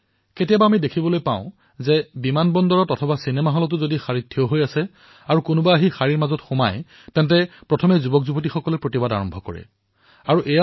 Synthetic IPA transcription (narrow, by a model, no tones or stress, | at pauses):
ketijabaːmidekʰibɔlojpã̰ʊ̃ | zɛbimanbɔndɔɹɔtɔtʰɔbasinɛmaɦɔlɔt̬ʊzodixaɹitʰːiɔɦojasɛ | aɹukʊnʊbaːɦixaɹiɹmazɔtxʊmaj | tɛntɛpɹɔtʰɔmɛzubɔkzubɔt̬ixɔkɔlɛpɹotibada̰ɹɔmbʱɔkɔ̰ɹɛ̰ | aɹuʔɛja